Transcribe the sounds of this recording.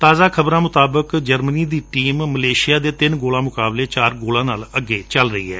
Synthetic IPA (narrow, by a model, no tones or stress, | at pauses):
t̪aːzaːkʰəbɾãːmʊt̪aːbəkd͡ʒəɾməniːd̪iːʈiːmːəleːʃɪjaːd̪eːt̪ɪnɡoːlãːmʊkaːbleːt͡ʃaːɾɡoːlãːnaːləɡːeːt͡ʃəlɾəḭːɦɛ̰ː